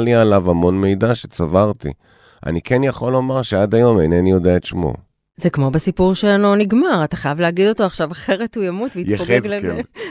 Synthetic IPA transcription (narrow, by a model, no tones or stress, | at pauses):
lialavamo̞nme̞jdaʃet͡savaʁt̪ḭ | ʔa̰nikɛnjaχo̞lo̞maʁʃead̪ajo̞mejnenijodeaet̪ʃmo̞̰ | zekmo̞besipuʁʃeanoniɡmaʁataχajavleaɡid̪o̞toaχʃavaχeʁetujamutveijteezɡk